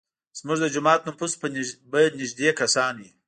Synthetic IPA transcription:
z̥mʊʐd̪əd͡ʒʊmɑːt̪numpuspəbənɪʒd̪ekasɑnwi

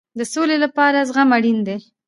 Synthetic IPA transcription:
d̪əsolelapɑɾazɣamaɽind̪e

